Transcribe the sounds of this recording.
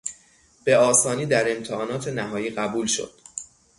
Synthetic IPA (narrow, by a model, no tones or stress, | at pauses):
b̥e̞ɒːsɒːniːd̪æɾe̞mt̪ʰehɒːnɒːt̪ʰe̞næɦɒːjiːɢæbuːlʃo̞̰d̪̥